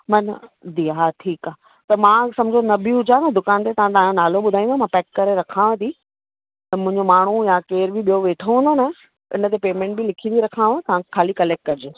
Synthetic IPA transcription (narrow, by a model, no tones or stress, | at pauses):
mɐnd̪iɦaʈʰiːkaː | t̪ɐmãːsɐ̃md͡ʑʱonɐbʱiɦʊd͡ʑanɐd̪ʊkaːnt̪et̪ɐʋ̤ãt̪ɐããnaːloɓʊd̪ʱaːĩnd̪amãpɛːkːɐɾeɾɐkʰãːʋẽt̪iː | t̪ɐmʊ̃ɪ̃ɲd͡ʑomaːɳ̤ujãkeːɾbʱɪɓijoʋeːʈʰoɦũːnd̪onɐ | ɪ̰nə̆t̪̬epeːmɛ̃ːɳʈ̚bɪlɪkʰĩiɾɐkʰãːʋt̪ɐʋ̤ãkʰaːlikɐleːk̚ʈ̚kɐɾɪd͡ʑoː